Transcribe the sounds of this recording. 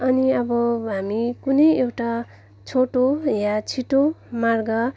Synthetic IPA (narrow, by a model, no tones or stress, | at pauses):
ʌniʌbʌɦamikunʌjewʈa | t͡sʰoʈojat͡sʰiʈomarɡʌ